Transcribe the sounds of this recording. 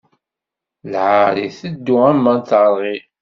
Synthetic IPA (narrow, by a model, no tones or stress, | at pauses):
lʕaɾiθəd̪ːuæmːænt̪əɾˤːi